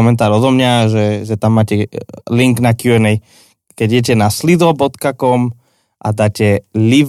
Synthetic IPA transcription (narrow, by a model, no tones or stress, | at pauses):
ɔmɛnt̪aːɾɔd̪ɔmɲaʒɛʒɛt̪amːaːcɛliŋɡnakjuɛnɛj | kɛɟjɛcɛnaslid̪ɔbɔt̪kakɔm | ʔa̰d̪aːcɛliʋ